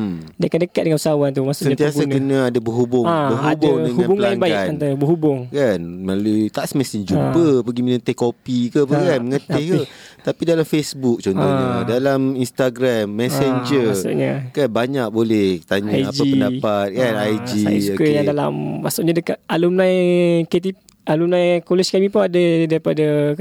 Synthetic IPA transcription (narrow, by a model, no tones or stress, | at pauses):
diakandəkat̪̚dəŋanusawant̪umasuʔsənɲat̪iasɡankənãːdabəɦubʊabəɦuadbaʊŋdəŋuabuŋãaŋbaɪaant̪ubəɦubʊŋkanmlalut̪aʔsəmesiɲd͡ʒupəpəɡiminə̃t̪ehkopikəpəkanməŋət̪eh | t̪apidalamfesbuk̚t͡ʃɔnɔɲadalaminst̪aɡɾamːɛseɲd͡ʒəsṵʔɲakanbaɲak̚bolɛht̪aɲaaad͡ʒaipəndapat̪̚kanajd͡ʒisukəjadala̰mmasuʔɲadəkat̪̚alumnãjket̪̬i | alumnãjkolɛskamĩpuŋadədaɾipadə